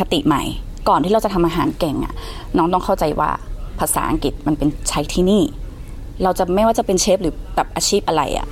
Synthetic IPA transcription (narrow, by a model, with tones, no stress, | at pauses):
kʰa˧t̪ḭ˨˩ʔma̰˦˩j | kɔː˨˩niː˥˩ɾwt͡ɕa˨˩t̪ʰa˧mʔaː˧ɦaː˩˦nkɛ˨˩ŋʔa̰˨˩ʔ | nɔː˦˥ŋt̪ɔ˥˩ŋkʰa˥˩wt͡ɕa˧jwa̰ː˥˩pʰaː˧sa̰ː˩˦ʔa̰˧ŋki˨˩t̪̚ma˧npe˧nt͡ɕʰa˦˥jt̪ʰiː˥˩niː˥˩ | ɾa˧wt͡ɕa˨˩ma˥˩jwaː˥˩t͡ɕa˨˩pe˧nt͡ɕʰe˦˥p̚ɾɯː˩˦baː˨˩p̚ʔaː˧t͡ɕʰiː˥˩p̚ʔa˧ɾa̰˧jʔa̰˨˩ʔ